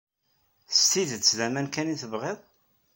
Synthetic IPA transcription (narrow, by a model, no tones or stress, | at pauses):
θst̪iðət͡sːðæmænkæniθəvʁeðˤ